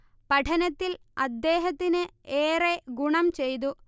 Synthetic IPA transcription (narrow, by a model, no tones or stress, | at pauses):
pɐʈʰɐnɐt̪ːil | ɐd̪ːe̞ːɦɐt̪ːinɨeːreɡuɳɐmt͡ɕejt̪̬u